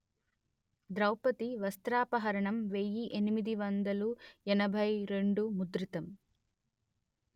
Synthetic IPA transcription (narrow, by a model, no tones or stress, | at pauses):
d̪ɾɐwpɐt̪iʋɐst̪ɾaːpɐɦɐɾɐɳɐmʋejːiʔenimid̪iʋɐnd̪ɐluɛnɐbʱɐjɾe̞ɳɖumud̪ɾit̪ɐm